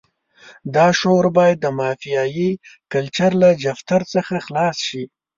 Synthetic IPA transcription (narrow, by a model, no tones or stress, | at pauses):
d̪ɑʃoɾbɑjad̪ːəmɑfijɑjikalt͡ʃaɾlad͡ʒaft̪aɾt͡səxaxlɑsʃi